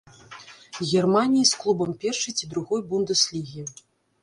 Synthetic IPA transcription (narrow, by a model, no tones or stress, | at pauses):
ɣʲɛrmanʲijisklˠubɐmpʲɛrʂɐjt͡sʲid̪ɾuɣɔjbund̪ɨslʲiɣʲi